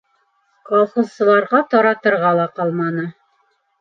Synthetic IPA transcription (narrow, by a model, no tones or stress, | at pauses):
kɒlˠχŏzsɤ̆lˠɑɾʁɑt̪ɒɾɑt̪ɤ̆ɾʁɑlˠɑqɑlˠmɑnɤ